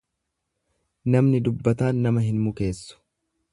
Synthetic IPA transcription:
nɐmnɪd̪ʊbːɐt̪aːnːɐmɐɦɪnmʊke̞ːsːʊ̥

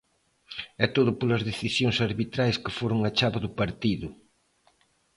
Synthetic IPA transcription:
ɛt̪oðʊpolɐzðeθisjoŋsɐɾβit̪ɾajskɪfoɾʊŋɐt͡ʃaβɐðʊpaɾt̪iðʊ

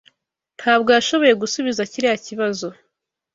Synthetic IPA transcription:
n̥haːbɡojaʃo̞βo̞je̞ɡusuβizaciɾiaciβazo̞

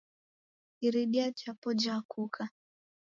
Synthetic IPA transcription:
iɾiɗiat͡ʃapɔd͡ʒakukʰa

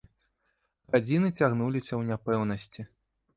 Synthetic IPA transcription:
ɣad͡zʲinɨt͡sʲaɣnulʲisʲɐwnʲapɛwnɐsʲt͡sʲi

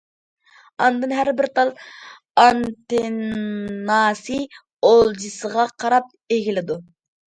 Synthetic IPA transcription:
ɑnd̪ɨnɦæɾbɪɾt̪ɑlˠ | ɑnt̪ɪ | nɑːsi | olˠd͡ʒɨsəʁɑqʰɑɾɑp̚ | eɡʲilɪd̪u

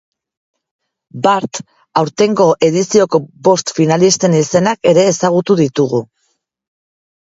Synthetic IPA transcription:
baɾt̪ | awɾt̪e̞ŋɡo̞ʔe̞ð̞isio̞ko̞bo̞st̪finalist̪e̞nise̞nake̞ɾe̞ːsaɣ̞ut̪uðit̪uɣu

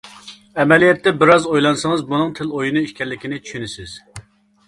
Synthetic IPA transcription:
ɛmɛlijɛt̪ːɛbɪɾɑzojlˠɑnsəŋɨzbunɨŋt̪ʰɪlojunɨiʃkʲɛɾlːɪkʲʰinɪt͡ʃʰy̥ʃynɪsɪz̥

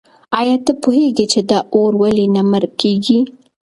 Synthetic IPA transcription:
ɑjɑt̪əpoɦeɡit͡ʃed̪aʔoɾwalinaməɾkeɡi

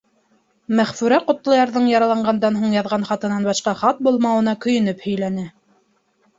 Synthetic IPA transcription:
mæχfʉɾæqŏt̪lˠɑjɑɾðɤɴjɑɾɑlˠɑɴɢɑnd̪ɑnɦuɴjɑðʁɑnχɑt̪ɤ̆nɑnbɑʃqɑχɑt̪̚bulˠmɑwɤ̆nɑkɵ̆jɘ̆nɘphɵ̆jlænɘ

